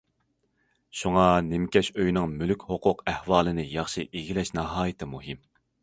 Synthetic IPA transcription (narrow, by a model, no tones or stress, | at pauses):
ʃuŋɑnɪmkʲɛʃøjnɪŋmylykʲhoqʰʊqɛhwɑːlˠɨnɨjɑχʃiʔeɡʲilɛʃnɑɦɑːjɨt̪ʰɪmuɦɪm